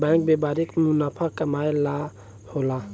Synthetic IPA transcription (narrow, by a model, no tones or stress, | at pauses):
baŋk̚bɛbaɾikmunapʰakamajla | hola